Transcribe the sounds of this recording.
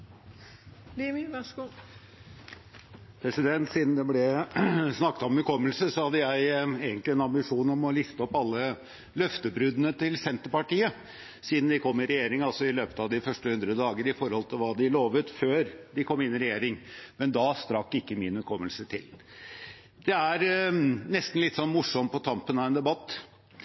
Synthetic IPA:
limɪʋɑʂɡuː | pʰɾɛsɪd̪ɛnt̪siːd̪nd̪ɛblɛsnɑkːət̪ɔmʉkʰɔmːəlsəsɔhɑd̪ːəjæɪeːɡənt̪lɪɛnɑmbɪʂuːnɔmɔlɪft̪əɔpːɑlːə | lœft̪əbɾʉd̪ənət̪ɪlsɛnt̪əɾpɑʈiːə | siːd̪n̩d̪ɪkʰɔmːɪɾɛjeːɾɪŋɑlsɔɪløːpə̥t̪ɑʋd̪ɪfœʂʈəhʉnd̪ɾəəd̪ɑːɡəɾɪfɔɾhɔlt̪ʰɪlʋɑːd̪ɪloːʋət̪føːɾd̪ɪkʰɔmːɪnɪɾɛjeːɾɪŋmɛnd̪ɑst̪ɾɑkːɪkːəmɪnʉkʰɔmːəlsət̪ʰɪ̰l | d̪̥ɛæɾnɛst̪n̩lɪt̪ːsɔnːmʊʂɔmpʰɔt̪ʰɑmpənɑʋɛnd̪ɛbɑt̪ː

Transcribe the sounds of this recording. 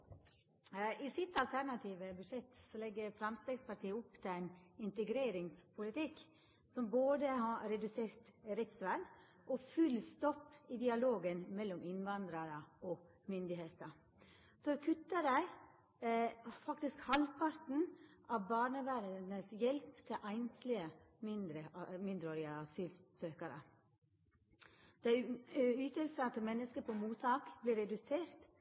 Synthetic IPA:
ɪsɪt̪ːɑlt̪ʰæɾnɑt̪ʰiːʋəbʉd̪ʂɛt̪ːsɔlɛɡːəɾfɾɑmst̪eːɡspɑʈʰiːəʊpːt̪ʰɪlæɪnɪnt̪əɡɾeːɾɪŋspʰʊlɪt̪ɪk | sɔmboːd̪əhɑɾɛd̪ʉseːɾt̪ɾɛt̪sʋæːn | ʔɔfʉlst̪ɔpːɪd̪ɪɑloːɡənmɛlːɔmɪnʋɑnd̪ɾɑɾəɔ | mʏnd̪ɪɦeːt̪ə | sɔkʰʉt̪ːəɾæɪ | fɑkt̪ɪskhɑlpʰɑɾt̪n̩ʔɑʋbɑːɳəʋæɾənəsjɛlpt̪ʰɪʔæɪnslɪəmɪnd̪ɾəmɪnd̪ɾəoːɾɪəɑsyːlsøːkəɾə̰ | d̪̥ɛæyːt̪əlsɑt̪əmɛnːəskəpʰɔmuːt̪ʰɑːkblɪɾɛd̪ʉseːɾt̪

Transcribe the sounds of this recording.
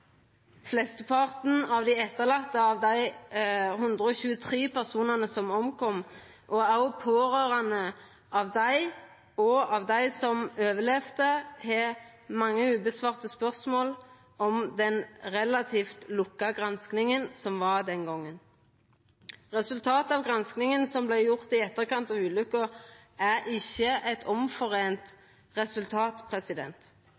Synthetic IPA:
flɛst̪əpʰɑʁt̪n̩ɑʋd̪æɪɛt̪ːəʁlɑt̪ːəɑːʋd̪æɪ | ɦʉnd̪ʁəɔːçʉːət̪ʰʁiːpʰæʁsuːnɑnəsɔmɔmkʰɔm | ʔɔɑʊpʰoːʁøːʁɑnə | ɑʋd̪æɪ | ɔɑʋd̪æɪsɔmøːʋəlɛːfd̪əhe | mɑŋːəʉːbəsʋɑːʁt̪əspœʁsmoːl | ɔmd̪ɛnʁɛlɑt̪ʰiːft̪lʊkːɑɡʁɑnsknɪŋənsɔmʋɑʁd̪ɛnɡɔŋːən | ʁɛsʉlt̪ʰɑːt̪ɑːʋɡʁɑnsknɪŋənsɔmblæɪjʊʁt̪ɪɛt̪ːəʁkɑnt̪ɑːʋʉːlʉkə | æɾʔɪçːəɛt̪ʰɔmfɔʁeːnt̪ | ʁɛsʉlt̪ʰɑːt̪pʰʁɛsɪd̪ɛ̰nt̪

